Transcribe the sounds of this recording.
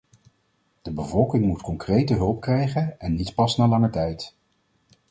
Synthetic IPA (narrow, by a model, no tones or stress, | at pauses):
d̥əbəvɔlˠkɪŋmutkɔŋkrejtəɦɵlˠp̚krɛjχənɛnːitpɑsnaːlɑŋəɹtɛjt